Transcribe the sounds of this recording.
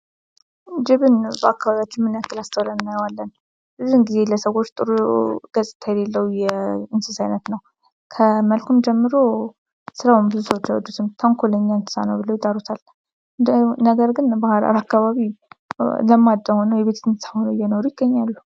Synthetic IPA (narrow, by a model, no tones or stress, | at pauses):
d͡ʒɪβɨnbəakːaβaβijat͡ʃːɪnmɨnakːɨlast̪ʰəwlənɨnːajwalːən | bɨzuɨnɡize̞ləsəɣo̞t͡ʃːt̪ʼɨɾuɡ̥əsʼɨ̥t̪ʰːajɛlelːəwujɛɨnsɨsajnət̪nəw | kʰəməlkʰumd͡ʒɛmːɨɾo | sɨɾawumbɨzuswot͡ʃːawɔd͡ʒ̪ut̪ʰɨmt̪ʰəŋkʰoləɲːaɨnt̪ʰɨ̥sa̰nəwbɨləwjɪd̪aɾut̪ʰal | d̪ənəɡəɾɡɨnbahɾa̰ɾakːaβaβi | ləmːad̪ːəhonəwjɛβe̞t̪ɨnt̪sahonəjɛnoɾujɪɡːəɲːalːu